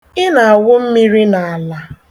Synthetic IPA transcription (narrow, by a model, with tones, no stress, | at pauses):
ɪ˦na˨a˨wʊ˦m̩˦mi˦ɾi˦na˨a˨la˦